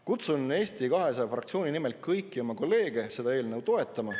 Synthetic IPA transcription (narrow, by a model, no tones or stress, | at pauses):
kut̪sune̞ːst̪ikɑɦe̞sɑfrɑ̰kt̪sio̞ːnʲinimelt̪̚kʰːɤjkːˑio̞mɑko̞lːe̞ːɡ̥e̞se̞d̪̥ɑeːlnəwt̪o̞e̞t̪ˑːɑmɑ